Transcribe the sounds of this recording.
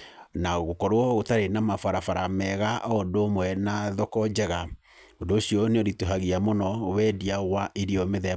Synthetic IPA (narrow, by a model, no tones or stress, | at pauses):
naɣokɔɾoɔɣotaɾenamafaɾafaɾamɛɣaʔɔdomwɛnaðɔkɔd͡ʑɛɣa | ondoːɕijɔneoɾitoɦaɣiamonɔwɛdiaɣwaʔeɾiɔmeðɛ